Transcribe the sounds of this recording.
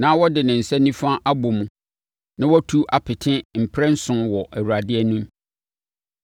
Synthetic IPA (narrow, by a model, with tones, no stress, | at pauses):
nãː˦wɔ˦dɪ˨nɪ̃˨n̩˨sɛ˦nĩ˦fa˦ʔa˦bʊ˨mũ˦ | nã˦wɔ˦tʰu˦ʔa˨pʰɪ˨tʰɪ̃˦m̩˨pʰɾɛ˦n̩˦sʊ̃˦nwɔ˨ʔɛ˨wu˨ɾa˨dɪ˦ɛ˦nũ˦m